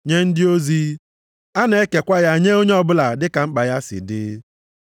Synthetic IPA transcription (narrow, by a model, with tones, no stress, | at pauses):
ɲe˦n̩˦dɪ˦o˦zi˦ | a˦ne˨e˦ke˨kʷa˦ja˦˨ɲe˦o˦ɲe˦ɔ˦bʊ˦la˨dɪ˦ka˨ŋ͡m̩˦k͡pa˨ja˦sɪ̰˨dɪ̰ː˦